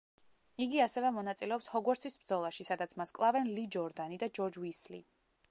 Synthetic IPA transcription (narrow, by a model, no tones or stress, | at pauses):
iɡiasɛvɛmɔnat̪sʼilɛɔpshɔɡwɔɾt̪sʰisbɾd̪zɔlˠaʃisad̪at̪sʰmaskʼlˠavɛnlid͡ʒɔɾd̪anid̪ad͡ʒɔɾd͡ʒwislḭ